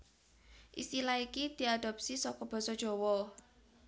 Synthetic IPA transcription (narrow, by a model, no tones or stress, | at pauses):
ʔḭst̪ilaikid̪̥i̤aɖ̪̥ɔ̤p̚sisɔkɔb̥ɔ̤sɔd̥ʒ̥ɔ̤wɔ